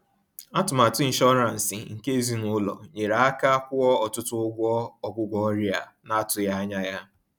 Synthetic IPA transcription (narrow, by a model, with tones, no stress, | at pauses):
a˦tʊ˨ma˨tʊ˦i˦n˦ʃɔ˦ɾa˨n̩˨sɪ˨ŋ̩˨ke˦zi˦nʊ˦lɔ̰˨ɲe˨ɾa˨a˦ka˦kʷʊ˦ɔ˦ɔ˨tʊ˦tʊ˦ɡʷɔ˦ɔ˨ɡʷʊ˦ɡʷɔ˦ɾi˦a̰˨na˦tʊ˨ja˦ɲa˦ja˦